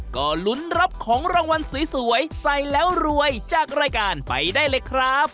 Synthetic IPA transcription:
kɔː˧˩lu˦˥nɾa˦˥p̚kʰɔː˩˦ŋɾaː˧ŋwa˧nsiː˩˦su˩˦əjsa˧jlɛː˦˥wɾu˧əjt͡ɕaː˨˩k̚ɾaː˧jkaː˧npa̰˧jdaː˥˩jlɤː˧jkʰɾa˦˥p̚

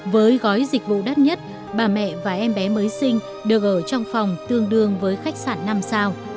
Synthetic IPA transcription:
vəː˨˦jɣɔ˨˦jzï˨˩k̚vṵ˧˨ɗa˦˥t̚ɲə˦˥t̚ | ɓaː˨˩mɛ̰˧˨vaː˨˩ʔɛ˧mɓɛ˨˦məː˨˦jsï˧ŋ̟ | ɗɨ˨˩ək̚ʔəː˧˩t͡ɕɔ˧wŋ͡mfwŋ͡mt̪ɨ˧əŋɗɨ˧əŋvəː˨˦jxa˦˥k̚saː˧˩nːa˧msaː˧w

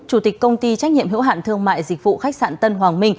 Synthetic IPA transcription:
t͡ɕu˧˩t̪i˨˩k̚kːə˧wŋ͡mt̪i˧t͡ɕa˦˥k̟̚ɲḭ˧˨əmɦḭ˧˥wɦa̰ː˧˨nt̪ɨ˧əŋma̰ː˧˨jzï˨˩k̟̚vṵ˧˨xa˦˥k̟̚sa̰ː˧˨nt̪ə˧nɦwaː˨˩ŋmï˧ŋ̟

